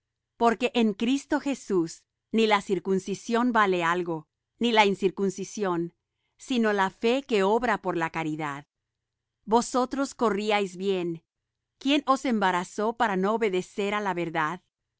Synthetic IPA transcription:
po̞ɾke̞ʔeŋkɾist̪o̞xe̞sus | nilasiɾkunsisjo̞nbale̞alɣo̞ | nilainsiɾkunsisjo̞n | sino̞lafe̞ke̞o̞βɾapo̞ɾlakaɾiðað | bo̞so̞t̪ɾo̞sko̞riajzbje̞n | kje̞nʔo̞se̞mbaɾaso̞paɾanooβe̞ðe̞se̞ɾalaβe̞ɾðað

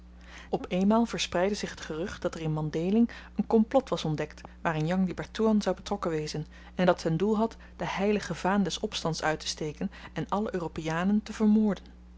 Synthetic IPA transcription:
ɔpejnmaːlˠv̥əɹsprɛjdəzɪχɦətχərɵχtd̥ɑtɛrɪnmɑndejlɪŋənkɔmplɔtʋɑsɔndɛktʋaːrɪnjɑŋdibɛɹtuɑnzɑwbətrɔkənʋejzən | ɛndɑtɦəndulˠɦɑt | d̥əɦɛjləχəvaːndɛsɔpstɑntsœɥtə̥stejkənɛnɑləʔøːropejaːnəntəvəɹmʊːɹdən

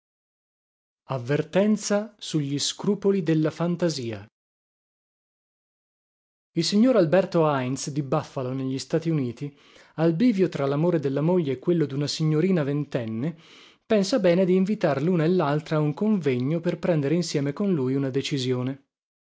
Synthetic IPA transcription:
avːert̪ɛnt̪sasuʎːiskɾuːpolid̪elːafant̪aziːa̰ | ilsiɲːoːɾalbɛrt̪oajnsd̪ibafːaloneʎːist̪aːt̪iuniːt̪i | albiːvjot̪ɾalamoːɾed̪elːamoʎːeːkːwelːod̪unasiɲːoɾiːnavent̪ɛnːe | pɛnsabɛːned̪iːɱvit̪aɾluːnaelːalt̪ɾauŋkoɱveɲːoperpɾɛnd̪eɾeinsjɛːmekonlujunad̪et͡ʃizjoːne

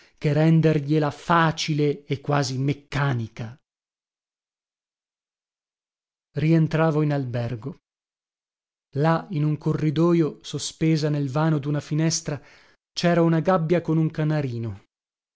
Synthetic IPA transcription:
kerɛnd̪erʎelafaːt͡ʃileekːwaːzimekːaːnika | rient̪ɾaːvoinalbɛrɡo | lainuŋkorːid̪ɔːjosospeːzanelvaːnod̪unafinɛst̪ɾa | t͡ʃɛːɾaunaɡabːjakonuŋkanaɾiːno

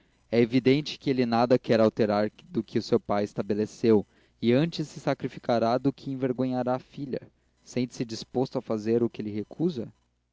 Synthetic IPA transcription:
ɛevid̪ẽnt͡ʃɪ̥kɪelɪnad̪ɐkɛɾawt̪eɾaɾd̪ʊkʰɪʊsewpajest̪abelesew | ɪɐ̃nt͡ʃɪsːɪsakɾifikaɾad̪ʊkʰɪẽveɾɡõɲaɾaːfiʎɐ̰ | sẽnt͡ʃ̪ɪ̥sɪd͡ʒispost̪ʊafazeɾʊkɪelɪɦekʰuzɐ

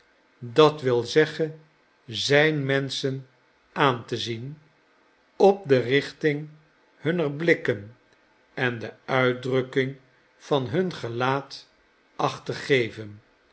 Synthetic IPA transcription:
dɑtʋɪlˠzɛχən | zɛjnmɛnsən | ʔaːntəzin | ɔp̚dərɪχtɪŋ | hɵnərblɪkən | ɛndəœɥdrɵkɪŋ | fɑnɦɵnχəlaːt | ʔɑχtəχejvən

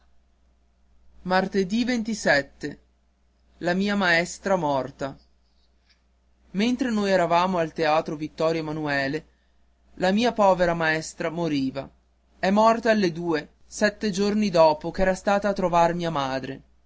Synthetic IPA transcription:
mart̪ed̪ivent̪isɛt̪ːe | lamiːamaɛst̪ɾamɔrt̪a | ment̪ɾenoːjɛɾavaːmoalt̪eaːt̪ɾovit̪ːɔːɾjamanuɛːle | lamiːapɔːveɾamaɛst̪ɾamoɾiːva̰ | ɛmːɔrt̪aːlːed̪uːe | sɛt̪ːed͡ʒornid̪ɔːpokɛːɾast̪aːt̪aːt̪ːɾovarmiːamaːd̪ɾḛ

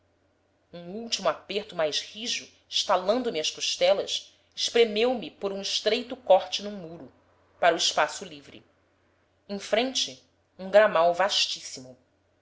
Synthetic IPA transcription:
ũŋuwt͡ʃimʊapeɾt̪ʊmajʃhiʒʊ | ɪʃt̪alɐ̃nd̪ʊmiɐskoʃt̪ɛlɐs | ɪʃpɾemewmipoɾũɪʃt̪ɾejt̪ʊkɔɾt͡ʃɪnũmuɾʊ | paɾuɪʃpasʊlivɾɪ̰ | ẽj̃fɾẽnt͡ʃɪ | ũŋɡɾamawvaʃt͡ʃisimʊ

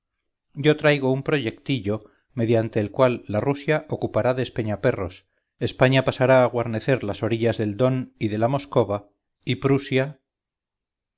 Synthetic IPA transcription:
ɟ͡ʝo̞t̪ɾajɣo̞umpɾo̞ʝe̞kt̪iʎo̞ | me̞ðjant̪e̞ːlkwalːarusjaʔo̞kupaɾaðespe̞ɲape̞ro̞s | e̞spaɲapasaɾaːɣwaɾne̞θe̞ɾlaso̞ɾiʎazðe̞ld̪o̞niðe̞lamo̞sko̞βa | ipɾusja

